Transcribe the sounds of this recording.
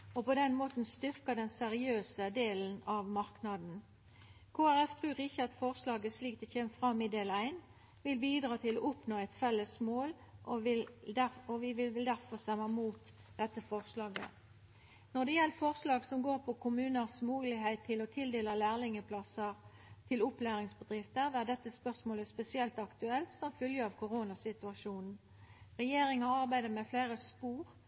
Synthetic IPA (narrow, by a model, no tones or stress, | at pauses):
ɔpɔd̪ɛnmoːt̪n̩st̪ʏʁkəd̪ɛnsɛʁɪøːsəd̪eːln̩ɑʋmɑʁknɑd̪n̩ | kʰoːæʁɛft̪ʰʁʉːʁiːçɑd̪fɔʁslɑːɡəsliːk̚d̪ɛçeːmfʁɑmɪd̪eːlæɪn | ʋɪlbiːd̪ʁɑːt̪ʰɪlɔʔʊpnoːɛɪt̪fɛlːəsmoːl | ʔɔʋɪld̪æɔʋɪʋɪlʋɪld̪æʁfɔʁst̪ɛmːəmuːt̪ | d̪̥ɛt̪ːəfɔʁslɑːɡə̰ | nɔd̪ɛjɛləfɔʁslɑːɡsɔmɡoːʁpʰɔkʰʊmʉːnəʁsmuːlɪɦeɪt̪ʰːɪlɔt̪ʰɪld̪eːləlæːʁlɪŋəpʰlɑsəʁ | t̪ʰɪlʊplæːɾɪŋsbəd̪ʁɪft̪əʋæːd̪ɛt̪ːəspœʁsmoːləspɛsɪɛlt̪ɑkt̪ʉɛlt̪sɔmfʏljəɑʋkʰʊʁoːnɑsɪt̪ʉɑʂuːnn̩ | ʁɛjeːɾɪŋɑɑʁbæɪd̪əʁmɛfleːʁəspuːʁ